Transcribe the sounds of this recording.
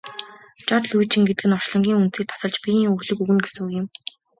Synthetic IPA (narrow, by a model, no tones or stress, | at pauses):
t͡ɕɔt̪ɮujt͡ɕʰĭŋɡet̪ɘ̆ɡɘ̆nɔr̥ʃɮɞ̆ŋɡʲiːŋunt̪t͡siːk̚t̪ʰḁsə̆ɮt͡ɕpʲijiːŋurɮɘ̆kuɣɘ̆nɡesɘ̆ŋujɘ̆m